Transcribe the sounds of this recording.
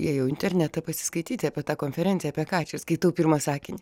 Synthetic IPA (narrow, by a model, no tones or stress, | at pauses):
jiɛjɛʊɪnʲt̪ʲɛɾʲnʲæt̪ɐpɐsʲɪ̥skɐɪt̪ʲiːt̪ʲɐːpʲɛt̪ɑːkoːnʲfʲɛɾʲɛnʲsʲjɛːpʲɛkɑːt͡ʃʲɛskɐɪt̪ɐʊpʲiːɾmɐsɑːkʲɪnʲɪ